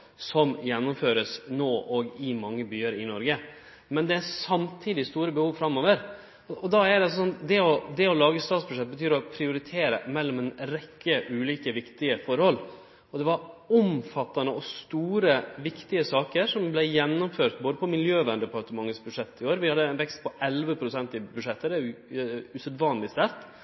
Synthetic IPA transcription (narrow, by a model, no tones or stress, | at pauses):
sɔmjɛnːɔmføːɾəsnoːʔɔɡɪmɑŋːəbyːəɾɪnɔɾɡə | mɛnd̪ɛæsɑmt̪ʰiːd̪ɪst̪uːɾəbəhuːʋfɾɑmːoːʋəɾ | ɔɔd̪ɑæɾɖ̪ɛɑsɔsɔnd̪ɛɔd̪ɛɔlɑːɡəst̪ɑːt̪sbʉʂɛt̪̚ːbət̪ʰyːɾɔpʰɾɪʊɾɪt̪ʰeːɾə̰mɛlːɔmɛnɾɛkːəʔʉːliːkəʋɪkt̪ɪəfɔɾhɔlː | ɔd̪ɛʋɑɾɔmfɑt̪ːɑnəɔst̪uːɾəʋɪkt̪ɪəsɑːkəɾʂɔmblɛjɛnːɔmføːɾt̪̚boːd̪əpɔmɪljøːʋænd̪əpʰɑɾt̪əmɑŋːəsbʉd̪ʂɛt̪ːɪoːɾʋɪhɑd̪ːənʋɛkst̪̚pʰɔʔɛlʋəpʰɾʊsɛnt̪ɪbʉʂɛt̪ːəɾɛʉʉsœd̪ʋɑːnlɪst̪æɾt̪